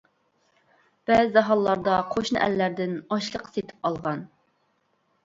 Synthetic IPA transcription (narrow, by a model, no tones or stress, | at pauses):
b̥ɛzɪd̪ɑɦɑlˠːɑɾd̪ɑqʰoʃnɨ̰ʔæ̰lːæɾd̪ɪnɑʃlˠəqʰːset̪ʰɪ̥p̚ɑlˠʁɑn